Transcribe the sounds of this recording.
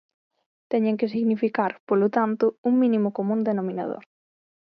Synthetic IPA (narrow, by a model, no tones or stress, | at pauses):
t̪ɛɲẽŋk̬ɪs̬iɣnifikaɾpolot̪ant̪ʊuŋmĩnimʊkomũnd̪enomĩna̰ð̞o̰ɾ